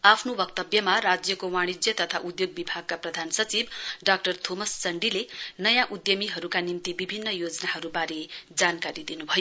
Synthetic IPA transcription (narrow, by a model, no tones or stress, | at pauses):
apʰnobʌkt̪ʌbjʌmaɾad͡zjʌkowaɽ̃id͡zjʌt̪ʌt̪ʰaʔud̪joɡ̚bibʱaɡ̚kaprʌd̪ʱansʌt͡sibɖak̚ʈʌrt̪ʰomʌst͡sʌɳɖilenʌjãʔud̪jʌmiɦʌɾukanimt̪ibibʱinːʌjod͡zʌnaɦʌɾubaɾed͡zankaɾid̪inubʱʌjo